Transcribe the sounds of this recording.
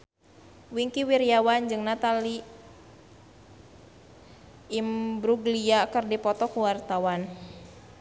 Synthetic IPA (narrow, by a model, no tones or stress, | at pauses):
wiŋkiwiɾijawand͡ʒɨŋnat̪ali | mbɾuɡliakɨrdipɔt̪ɔkuwart̪awan